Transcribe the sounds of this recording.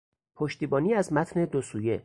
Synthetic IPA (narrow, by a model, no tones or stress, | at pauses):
pʰoʃt̪iːbɒːniːæzmæt̪ʰne̞d̪osuːje̞